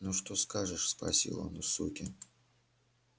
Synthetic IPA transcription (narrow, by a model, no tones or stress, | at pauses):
nuʂt̪oskaʐɨʂspɾɐ̰sʲḭlˠə̰nusṵt̪ʲɪ